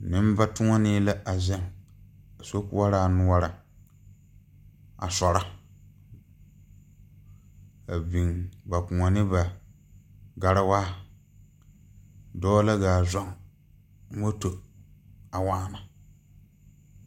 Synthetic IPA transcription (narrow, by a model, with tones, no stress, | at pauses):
nɪ˦m˦ba˦tʊ˦ŋɔ˦niː˦la˦a˨zɛ˦ŋ | a˨so˦kṵ˦a˦ɾaː˨nu˦a˦ɾa˨ | a̰˨sɔ˨ɾa˦ | a˨bi˨ŋba˨kʊ˨ŋɔ˨nɪ˦ba˨ | ɡa˨ɾɪ˦waː˦ | dɔː˦la˦ɡaː˨zɔ˦ŋ˦ | wo˦to˨ | a˨waː˦na˨